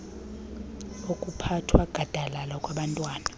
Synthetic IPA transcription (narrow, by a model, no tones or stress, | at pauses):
okʼupʰatʰwaɡ̥ʱad̥ʱalalakʼwaɓantʼwaːna